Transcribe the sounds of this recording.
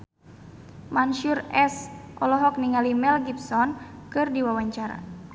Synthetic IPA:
manʃurɛsʔɔlɔɦɔk̚niŋalimɛlɡipsɔnkɨrdiwawaɲt͡ʃaɾa̰

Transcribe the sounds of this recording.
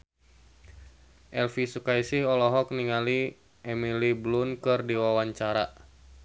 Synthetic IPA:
ʔɛlfisukaisihɔlɔɦɔk̚niŋali | ʔɛmiliblunkɨrdiwawaɲt͡ʃaɾa

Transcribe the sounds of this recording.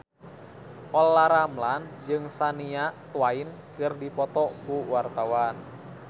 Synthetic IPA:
ʔɔlːaɾamland͡ʒɨŋsaniat̪uwainkɨrdipɔt̪ɔkuwart̪awan

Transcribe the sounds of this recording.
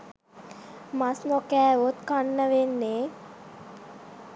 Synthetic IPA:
masnokæːot̪kanːəʋenːeː

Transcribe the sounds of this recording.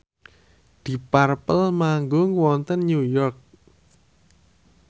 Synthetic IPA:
d̪̥i̤parpəlmaŋɡʊŋwɔnt̪ənɲujɔrk̚

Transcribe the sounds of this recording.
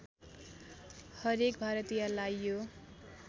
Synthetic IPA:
hʌɾekbʱaɾʌt̪ijalajjo

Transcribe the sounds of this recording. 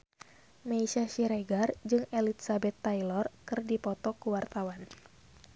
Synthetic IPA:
maisaʃiɾeɡard͡ʒɨŋelit̪sabɛt̪ːailɔrkɨrdipɔt̪ɔkuwart̪awan

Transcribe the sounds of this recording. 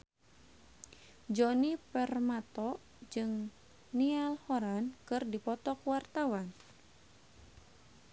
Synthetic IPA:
d͡ʒɔnipɛrmat̪ɔʔ | d͡ʒɨŋ | nialhɔɾankɨrdipɔt̪ɔkwart̪awan

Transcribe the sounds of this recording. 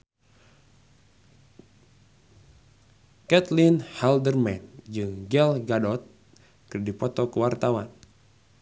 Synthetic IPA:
kɛt̪linhɛldərmɛnd͡ʒɨŋɡɛlɡadɔt̪̚ | kɨrdipɔt̪ɔkəwart̪awan

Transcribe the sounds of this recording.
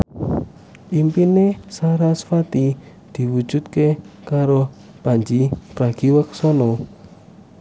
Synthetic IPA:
ʔimpinesaɾasfat̪i | d̪̥i̤wud̥ʒ̥ṳt̪̚kekaɾo | paɲd͡ʒipɾaɡ̥iwəksɔnɔ

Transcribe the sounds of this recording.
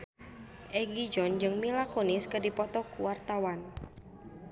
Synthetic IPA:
ʔɛɡid͡ʒɔnd͡ʒɨŋmilakoniskədipɔt̪ɔkuwart̪awan

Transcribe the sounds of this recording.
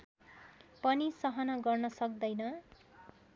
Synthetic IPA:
pʌnisʌɦʌnʌɡʌrnʌsʌk̚d̪ʌjnʌ

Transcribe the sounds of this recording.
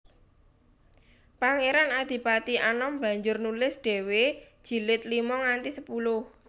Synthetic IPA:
paŋeɾanad̪̥i̤pat̪ianɔmb̥a̤ɲd͡ʒʊrnulɪsɖ̥e̤wed̥ʒ̥i̤lɪt̪limɔŋant̪isəpulʊh

